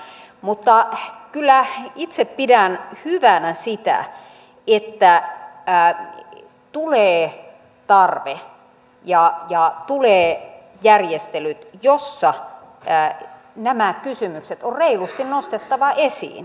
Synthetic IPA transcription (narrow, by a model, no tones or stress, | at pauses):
mut̪ːɑkylːæit̪seppidænhyʋænæsit̪æ̰ | et̪ːæ | t̪uleː | t̪ɑrʋe | jɑjɑt̪uleː | jærjest̪elyt̪josːɑ | næmækkysymykset̪orreilust̪innost̪et̪ːɑʋɑʔesḭːn